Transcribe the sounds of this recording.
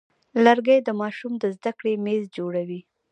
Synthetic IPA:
laɾɡajd̪əmɑʃumd̪əzd̪akɽemezd͡ʒoɽawi

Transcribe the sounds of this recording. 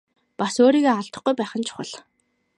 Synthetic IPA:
pasoːɾiːɣeːaɬt̪ə̆χɡujpæːχə̆nt͡ɕʰʊ̥χə̰̆ɮ

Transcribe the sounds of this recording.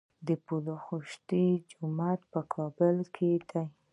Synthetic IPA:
d̪əpuloxuʃt̪id͡ʒʊmat̪̚pəkʰɑbəlkʰed̪aj

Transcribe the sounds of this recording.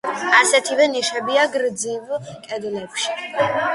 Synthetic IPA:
asɛt̪ʰivɛniʃɛbiaɡɾd̪zivkʼɛd̪lɛpʃi̥

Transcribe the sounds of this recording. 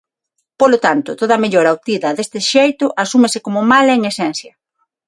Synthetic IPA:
polot̪ant̪ʊt̪oðɐmeʎoɾawt̪iðɐðest̪ɪʃejt̪ʊʔasumesɪkomʊmaleŋesɛnθjɐ

